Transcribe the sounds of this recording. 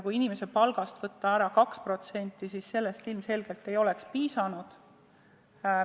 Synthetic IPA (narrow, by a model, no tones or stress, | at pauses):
kuinime̞se̞pɑlɡ̥ɑst̪v̥ɤt̪ːɑæɾɑkɑkspro̞t̪se̞nʲt̪ˑːisisːe̞lːest̪ilmse̞lɡe̞lt̪ːe̞jo̞le̞kspiːsɑnud̪̥